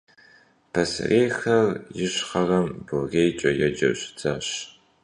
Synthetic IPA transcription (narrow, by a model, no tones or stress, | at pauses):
pʰɐsreːxɐrjɪɕχɐrɐmboɣeːjt͡ʃʼɐjɛd͡ʒɐ̰wɕt͡sɐɕ